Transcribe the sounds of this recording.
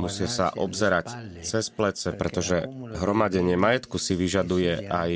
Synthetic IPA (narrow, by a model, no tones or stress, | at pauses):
musɪasa̰ʔɔbzɛɾact͡sɛsplɛt͡sɛpɾɛt̪ɔʒɛɦɾɔmaɟɛɲɪɛmajɛt̪kusiʋiʒad̪ujɛʔaj